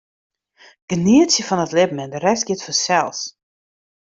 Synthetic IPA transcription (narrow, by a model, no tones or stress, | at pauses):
ɡ̥əniətsjəfɔnətlɪbmɛndəɾɛsɡjɪtfɔsɛlˠs